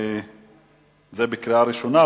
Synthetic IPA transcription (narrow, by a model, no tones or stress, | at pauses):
zebikɾiaɾiʃona